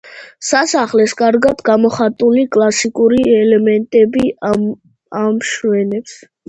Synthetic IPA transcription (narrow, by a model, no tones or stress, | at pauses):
sasaχlɛskʼaɾɡad̪̥ɡamɔχat̪ʼulikʼlˠasikʼuɾiɛlɛmɛnt̪ʼɛbi | amʃwɛnɛps